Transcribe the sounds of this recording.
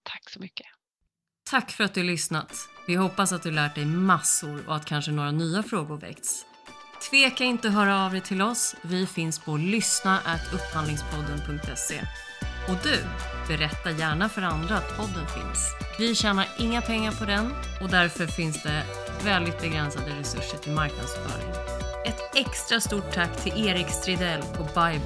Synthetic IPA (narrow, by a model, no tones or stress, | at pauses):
t̪ʰḁksɔmʏkːə̥ | t̪ʰakːfœɾat̪̚d̪ɵalʏsnat̪vɪɦɔpːasat̪̚d̪ɵhalæːʈ̚ɖɛjmasʊɾɔ̰at̪kʰanʂənoːɾanyːafɾoːɡʊɾvɛ̰k̚t̪s | t̪ʰveːkaɪnt̪əɔɦœːɾaːvd̪ɛjt̪ʰɪlɔsvɪfɪnspʰɔlʏsnaʔæt̪ʰɵpːhand̪lɪŋspʰɔd̪ːənpʰɵŋk̚t̪ɛsːḛ | ɔd̪ɵ̟b̥ɛɾɛt̪ːajæːɳafœɾand̪ɾaːt̪pʰɔd̪ːənfɪ̰nsvɪɕɛːnaɾɪŋːapʰɛŋːaɾpʰɔd̪ɛn | ɔd̪æɾfœɾfɪnsd̪ɛ | vɛld̪ɪt̪̚bɛɡɾɛnsad̪əɾɛsɵʂːəʈʰɪlmaɾknad̪sfœ̰ːɾɪ̰ŋ | ɛt̪ɛkst̪ɾast̪uːʈʰːakːt̪ʰɪleːɾɪkst̪ɾɪd̪ɛlɔbajb